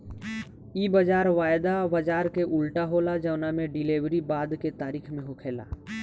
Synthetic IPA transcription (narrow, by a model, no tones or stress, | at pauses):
iːbəd͡ʒaːɾʋaːjd̪abəd͡ʒaːɾkeʔʊlʈaɦoːlad͡ʒəːnamẽɖɪleːʋɾibaːd̪ket̪aːɾiːkʰmẽɦʊkʰeːla̰ː